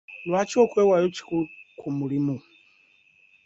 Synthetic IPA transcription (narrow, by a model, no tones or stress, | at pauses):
lwat͡ʃɔkwɛwajɔt͡ʃi̥kukʰumulimu